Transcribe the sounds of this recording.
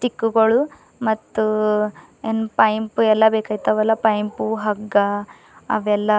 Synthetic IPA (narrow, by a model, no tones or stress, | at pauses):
ʈikːuɡɐɭu | mɐt̪ːu | enːpɐjmpuɛlːɐbeːkaːjit̪ːɐʋɛlːɐpɐjmpuɦɐɡɐ | ɐ̰ʋɛlːɐ